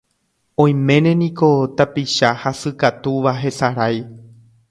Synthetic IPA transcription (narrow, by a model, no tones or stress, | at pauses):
õ̞j̃mẽ̞nẽ̞nĩko̞t̪apiʃahasɨkat̪uʋaɦe̞saɾaj